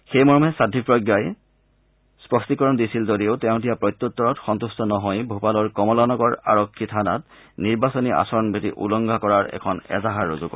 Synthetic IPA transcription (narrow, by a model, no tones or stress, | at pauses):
xejmɔɹɔmɦɛsadʱːipɹɔɡjaj | spɔstikɔɹɔndisilzodietɛʊ̃dijapɹɔjt̪ːɔt̪ːɔɹɔtxɔnt̪ustɔnɔɦɔjbʱupalɔɹkɔmɔlanɔɡɔɹa̰ɹɔkʰːitʰana̰t | niɹbasɔniʔa̰sɔɹɔnbʱitiʔṵlɔŋɡʱakɔɹaɹɛ̰kʰɔnɛ̰zaɦaɹːozukɔ̰